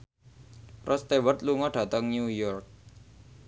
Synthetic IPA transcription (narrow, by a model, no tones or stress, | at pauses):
rʔɔst̪ewərt̪luŋɔɖ̥ä̤t̪əŋnujɔrk̚